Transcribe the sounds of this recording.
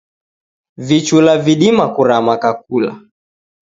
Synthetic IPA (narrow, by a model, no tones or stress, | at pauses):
vit͡ʃulaviɗimakuɾamakak̚ula̰